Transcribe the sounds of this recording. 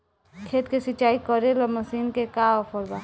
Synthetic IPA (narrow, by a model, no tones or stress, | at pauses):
kʰet̪kesiːt͡ʃaikɔɾelɔməsinkekaɔpʰɔɾba